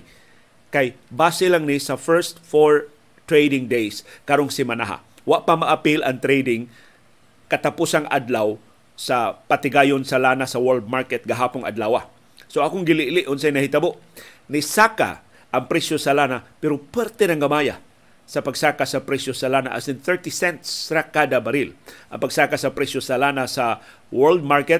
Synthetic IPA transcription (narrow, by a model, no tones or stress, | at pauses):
kajbaːsɪlaŋnɪsɐfɛɹst̪foɹ | t̪ɾejd̪ɪŋd̪ejskaɾoŋsɪmanaɦa̰ | waʔpamaʔapilɐŋt̪ɾejd̪ɪŋ | kɐt̪apusaŋʔa̰d̪law | sapat̪ɪɡaːjonsalanasɐwɛld̪̚maɹkɛt̪̚ɡaɦaːpʊŋʔa̰d̪lawa̰ | soʔakoŋɡɪlɪʔlɪʔʊnsajnɐhɪt̪ɐboʔ | nɪsaka̰ | ʔɐŋpɾɛsjosɐlaːnapɛɾopwɛɾt̪ɛnɐŋɡɐmaja | sɐpɐɡsakasɐpɾɛsjosalaːna̰ʔa̰sɪnθɛɹt̪isɛnt̪sɾakad̪abɐɾɪlʔɐ̰ŋpɐɡsaːkasɐpɾɛsjosalaːnasa | wɛɹld̪̚maɹkɛt̪̚